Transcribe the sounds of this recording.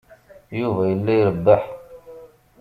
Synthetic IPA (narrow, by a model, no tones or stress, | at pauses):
juvæjəlːæjəɾəb̪ːəħ